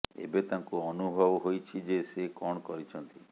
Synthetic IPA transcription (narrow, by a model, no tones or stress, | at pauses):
ḛbet̪ãŋkuɔnubʱɔbɔɦojt͡ʃʰid͡ʒesekɔɽ̃kɔɾit͡ʃʰɔnt̪i